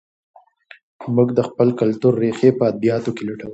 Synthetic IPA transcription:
mʊɡd̪əxpəlkalt̪uɾːexepəad̪̚bijɑt̪okelaʈəw

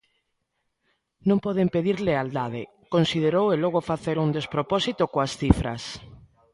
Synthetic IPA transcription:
nõmpɔð̞empeðiɾleald̪að̞e | konsið̞eɾowelɔɣofaθeɾund̪espɾopɔsit̪okoasθifɾa̰s

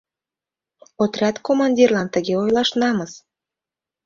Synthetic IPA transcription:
ot̪rʲɑt̪komɑnʲdʲirlˠɑnt̪əɣeojlˠɑʃnɑmɤs

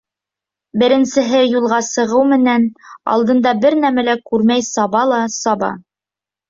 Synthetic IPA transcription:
bɘ̆ɾɘ̆nsɘ̆ɦɘjulˠʁɑsɤ̆ʁɤwmɘ̆nænɑ̰lˠd̪ɤ̆nd̪ɑbɘɾnæmælækʉɾmæjsɑβɑlˠɑsɑβɑ̰

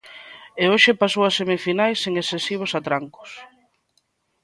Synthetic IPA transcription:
eoʃepasowasemifinajseŋesθesiβ̞ʊsat̪ɾaŋkʊ̥s

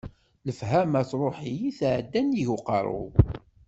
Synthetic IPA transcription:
ləfhæmæt͡sɾˤoħijiθʕd̪ːænjiʝʊqɑ̰ɾˤʊ̰

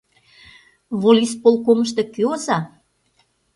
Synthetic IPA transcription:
βolʲispolkoməʃt̪ĕkøozɑ

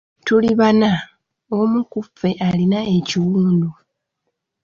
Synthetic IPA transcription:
tuliβana | omukufe̞ʔalinae̞ciwuːndu

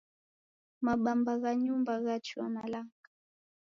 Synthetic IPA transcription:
maɓambaɣaɲumbaɣat͡ʃua̰malaŋkḁ

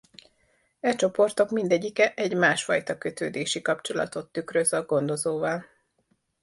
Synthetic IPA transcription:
ɛt͡ʃo̞po̞rt̪o̞kmind̪ɛɟːikɛʔɛɟmaːʃfɒjt̪ɒkø̞t̪øːd̪eːʃikɒpt͡ʃo̞lɒ̰t̪o̞t̪ːykrøzɒɡo̞nd̪o̞zoːvɒl

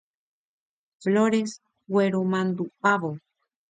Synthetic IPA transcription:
floɾes | weɾumãnd̪upaβo

